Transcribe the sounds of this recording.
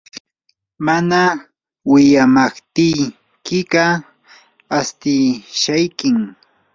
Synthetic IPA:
mana | wɪʎamɑχt̪ɪj | kɪɢɑ | ast̪ɪʃajkɪŋ

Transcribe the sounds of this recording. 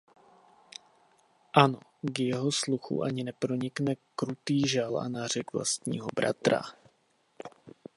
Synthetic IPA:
ʔano̞ɡjɛɦo̞sluxṵʔaɲɪnɛpɾo̞ɲɪknɛkɾut̪iːʒalʔa̰nar̝ɛɡvla̰st̪ɲḭːɦobɾa̰t̪ɾa̰

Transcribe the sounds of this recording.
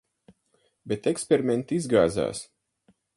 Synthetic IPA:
bet̪ekspʲeɾiment̪izɡaːza̰ːs

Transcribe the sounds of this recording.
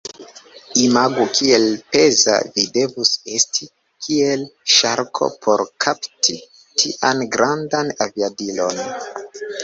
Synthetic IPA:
imaɡukʰielpe̞za̰vide̞vuse̞stʰi | kʰielʃaɾkʰo̞̰pʰo̞ɾkʰaptʰi | tʰiʔanɡɾandanaviadilo̞̰n

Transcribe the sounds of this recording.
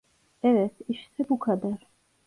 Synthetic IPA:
ɛvɛsiʃsʰɛbukʰad̪aɾ

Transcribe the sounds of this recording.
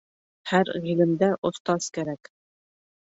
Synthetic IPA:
hæɾʁilɘ̆md̪æʔŏθt̪ɑz̥kæɾæk

